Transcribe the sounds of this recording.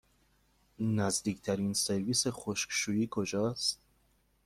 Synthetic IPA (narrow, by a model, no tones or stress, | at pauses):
næzd̪iːkʰt̪ʰæɾiːnse̞ɾviːsexoʃkʃuːjiːkʰod͡ʒɒːst̪